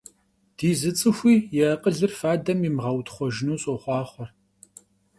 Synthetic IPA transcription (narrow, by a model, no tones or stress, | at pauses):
d̥iːzɨt͡sʼɨxʷiːjɛɐqʼəɮɨrfaːdɐmimʁɐwtχʷɔʒɪnuːɕʼɔχʷɑːχʷɔr